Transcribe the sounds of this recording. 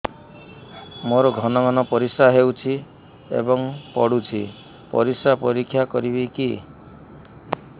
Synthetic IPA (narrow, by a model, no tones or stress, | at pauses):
moɾɔɡʱɔnɔɡʱɔnɔpɔɾisaɦewt͡ʃʰi | ḛbɔŋpɔɽut͡ʃʰi | pɔ̰ɾisapɔɾikʰːjakɔɾibiki